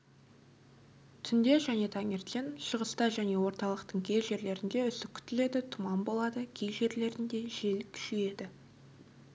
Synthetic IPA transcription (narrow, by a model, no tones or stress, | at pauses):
t̪ʰʏnd̪e̞ʒæne̞t̪ʰɑŋeɾt̪enʃəʁəst̪ɑʒæne̞wo̞ɾt̪ɑlˠəqt̪əɴkʲʰe̞jʒe̞ɾle̞ɾɪnd̪e̞ʏsɪk̚kʲʰʏ̥t̪ɪle̞d̪ɪt̪ʰʊmɑnbo̞lˠɑd̪əkʲʰejʒe̞ɾle̞ɾɪnd̪e̞ʒe̞lkʲʰʏ̥ʃeje̞d̪ɪ